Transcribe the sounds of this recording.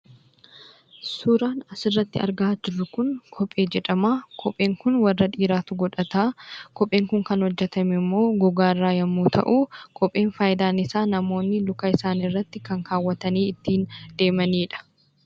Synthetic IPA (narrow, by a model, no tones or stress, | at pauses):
sʊɾaːnɐsɪrːɐt̪ːɪɐ̰ɾɡaːd͡ʒɪrːʊkʊnkʰɔpʼeːd͡ʒɛᶑɐmaːkʰɔpʼe̞ːŋkʊnwɐrːɐᶑiːɾaːt̪ʊɡɔᶑɐt̪aːkɔpʼe̞ːŋkʊŋkɐnhɔd͡ʒːɛt̪ɐmɛmːo̞ːɡɔɡaːɪrːaːjɐmːuːt̪ʰɐ̰ʔuːkʰɔpʼːe̞ːnfaːjɪd̪aːnɪsaːnɐmo̞ːnːɪlʊkɐɪsaːnɪrːɐt̪ːɪkɐŋkaːwːɐt̪ɐniːɪt̪ːiːnd̪̥e̞ːmɐniːᶑɐ̥